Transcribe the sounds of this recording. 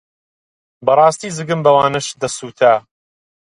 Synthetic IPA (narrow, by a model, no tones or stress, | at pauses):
bɐrˤɑːst̪iːzɨɡɨmbɐwaːnɨʃd̪ɐsuːt̪ʰa